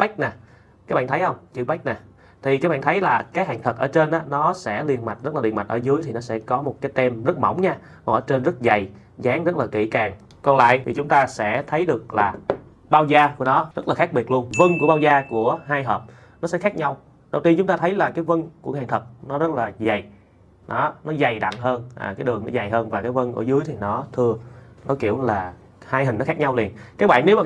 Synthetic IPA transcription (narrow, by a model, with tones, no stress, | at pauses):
ɓa˦˥k̟̚na˨˩ | kaː˨˦jɓa̰ː˧˨nt̪ʰjhə˧wŋ͡mt͡ɕɨ˧˩ɓa˦˥k̟̚naː˨˩ | t̪ʰi˨˩kaː˨˦jɓa̰ː˧˨nt̪ʰə˨˦jlaː˨˩kaː˨˦jha̰˧˨˩ŋt̪ʰə˨˩ʔəː˧˩t͡ɕe˧nʔaː˨˦nɔ˨˦sɛ̰˧˥li˧ənma˨˩t̟̚zə˦˥laː˨˩i˨˩əma˨˩t̟ʔəː˧˩zɨ˨˦əjt̪ʰi˨˩nɔ˨˦sɛ̰˧˥kɔ˨˦mo˨˩t̚kaː˨˦jt̪ɛ˧mzə˦˥t̚mə̰˧˩wŋ͡mɲaː˧ | ɔ˨˩ʔəː˧˦t͡ɕe˧nzə˦˥t̚za˨˩j | zaː˨˦ŋzə˦˥t̚laː˨˩kḭ˧˩kaː˨˩ŋ | kɔ˧nla̰ː˧˨jt̪ʰi˨˩t͡ɕʊ˨˦ŋ͡mt̪aː˧sɛ̰˧˥t̪ʰə˨˦jɗɨ˨˩ək̚laː˨˩ | ɓaː˧wzaː˧ku˧˩ənɔ˨˦zə˦˥t̚laː˨˩xaː˦˥k̚ɓi˨˩ət̚lu˧ənvə˧nku˧˩əɓaː˧wzaː˧ku˧˩əɦaː˧jɦəː˨˩p̚ | nɔ˨˦sɛ̰˧˥xaː˦˥k̚ɲa˧w | ɗə˨˩wt̪i˧nt͡ɕʊ˨˦ŋ͡mt̪aː˧t̪ʰə˨˦jlaː˨˩kaː˨˦jvə˧nku˧˩əhɛ̰˨˧˩nt̪ʰə˨˩t̚nɔ˨˦zə˦˥t̚laː˨˩za˨˩j | nɔ˨˦nɔ˨˦za˨˩jɗa̰˧˨ŋɦəː˧nʔa̰ː˨˩kaː˨˦jɗɨ˨˩əŋnɔ˨˦za˨˩jɦəː˧nvaː˨˩kaː˨˦jvə˧nʔṵ˧˩əzɨ˨˦əjt̪ʰi˨˩nɔ˨˦t̪ʰɨ˧ənɔ˨˦ki˧˩əwlaː˨˩ | haː˧jhi̟˨˩n˨˦xaː˦˥k̚ɲa˧wli˨˩ənkaː˨˦jɓaː˧˨nːe˨˦wmaː˨